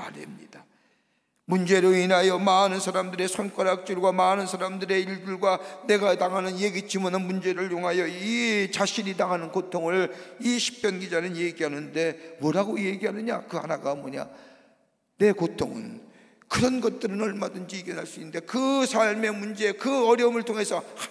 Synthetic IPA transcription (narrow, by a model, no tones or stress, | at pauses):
ma̰ɾḛmɲid̥a | mund͡ʑe̞ɾoinajʌmanɯnsʰaɾamdɯɾe̞sʰʌnk͈ʌɾak̚t͡ɕ͈uɭɡwamanɯnsʰaɾamdɯɾe̞iɭdɯɭɡwane̞ɡataŋɦanɯnje̞ɡit͡ɕimʌnɯnmund͡ʑe̞ɾɯɭjoŋɦajʌit͡ɕaɕʰiɲitaŋɦanɯnkotʰoŋɯɭiɕʰi̥k̚p͈jʌnɡid͡ʑanɯnje̞ɡiɦanɯnde̞mʌɾaɡoje̞ɡiɦanɯɲa̰kɯɦa̰naɡamwʌɲa̰ | ne̞kotʰoŋɯ̰n | kɯɾʌnɡʌt̚t͈ɯɾɯnʌɭmadɯnd͡ʑiːɡjenɦaɭs͈uinːnde̞kɯsʰaɭme̞mund͡ʑe̞kɯʌɾjʌmɯɭtʰoŋe̞sʰʌh